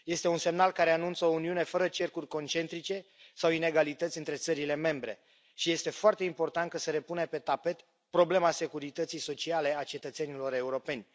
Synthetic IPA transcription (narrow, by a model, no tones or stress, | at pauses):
je̞st̪e̞unse̞mnalkaɾe̞anunt̪səo̞uniune̞fəɾət͡ʃe̞rkurʲko̞nt͡ʃe̞nt̪ɾit͡ʃe̞ | sawine̞ɡalit̪ət̪sʲɨnt̪ɾe̞t̪səɾile̞me̞mbɾe̞̰ | ʃije̞st̪e̞foart̪eimpo̞rt̪ant̪̚kasəɾe̞punepe̞t̪ape̞t̪ | pɾo̞ble̞mase̞kuɾit̪ət̪sijso̞t͡ʃiale̞at͡ʃe̞t̪ət̪se̞nilo̞ɾe̞uɾo̞pe̞nʲ